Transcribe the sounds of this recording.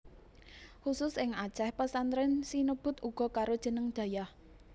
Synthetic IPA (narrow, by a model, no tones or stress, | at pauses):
xusʊsɪŋḁt͡ʃɛhpəsanɾɪnsinəb̥ʊ̤t̪uɡ̥ɔ̤kaɾod̥ʒ̥ə̤nəŋd̪̥ä̤jah